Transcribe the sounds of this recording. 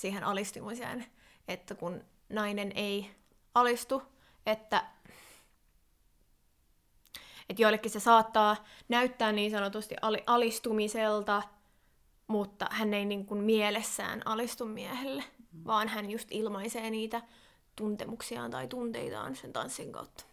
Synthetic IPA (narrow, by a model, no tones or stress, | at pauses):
siːɦenʔɑlist̪umusḛːn | et̪ːækun | nɑinenei | ɑlist̪u | et̪ːæ | et̪joilːekːisesɑːt̪ːɑːnæyt̪ːæːnniːnsɑnot̪ust̪ḭʔɑliʔɑlist̪umiselt̪ɑ | mut̪ːɑ̰hænːeiniːŋkunmielesːæ̰ːnɑlist̪ummiæhelːeʋɑːnhænjust̪ilmɑiseːniːt̪æ | t̪unt̪emuksiɑ̰ːnt̪ɑ̰it̪unt̪ḛit̪ɑ̰ːnsent̪ɑ̰nsːiŋkɑ̰ut̪ːɑ̥